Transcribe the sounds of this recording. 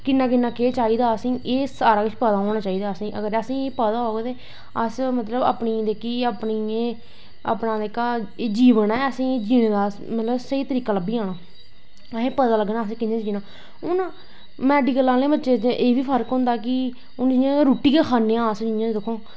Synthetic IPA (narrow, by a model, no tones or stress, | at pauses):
kɪnːãːkɪnːãːkeːt͡ʃaːiːd̪aːəsĩːʔeːsaːɾaːkɪt͡ʃʰpəd̪aːɦoːɽ̃aːt͡ʃaːiːd̪aːəsĩːʔə̰ɡəɾəsĩːeːpəd̪aːɦoːɡet̪eː | əsmət̪ləba̰ːpniːd̪ekiːaːpniːẽː | ə̰pnãːd̪eːkːaːeːd͡ʒiːʋənɛːəsĩːed͡ʒiːnẽːd̪aː | mət̪ləbsəiːt̪əɾiːkaːləbiːãːnaː | eːpəd̪aːləɡnãːəs̬ːkɪnãːd͡ʒiːnaː | ʊnaː | mɛːɖiːkəlaːleːbətːʃeːt͡ʃeʔeːʋiːpʰəɾkɦʊ̃nd̪aːk̬ɪ | ʊnd͡ʒɪjãːɾuːʈiːkeːkʰaːnːẽːãːəsd͡ʒɪnjãt͡ʃːd̪ɪkʰːõː